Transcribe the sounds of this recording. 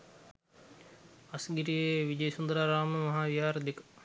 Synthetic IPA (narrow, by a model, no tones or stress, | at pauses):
ɐsɡiɾijeʋid͡ʒəjsund̪ɾaːɾaːməmɐɦaːʋiɦaːɾɐd̪ek